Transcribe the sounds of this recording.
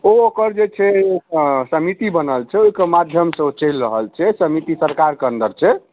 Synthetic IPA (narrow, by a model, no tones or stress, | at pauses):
ookəɾd͡ʒet͡ʃʰɛ | səmit̪ibənəlt͡ʃʰɛoikemad̪ʱjəmsə̃ot͡ʃəlɾəɦəlt͡ʃʰɛsəmit̪isəɾkaɾkeə̃nd̪əɾt͡ʃʰɛ